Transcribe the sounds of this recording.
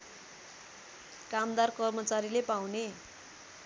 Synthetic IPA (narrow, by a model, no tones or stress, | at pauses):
kamd̪arkʌrmʌt͡saɾilepawne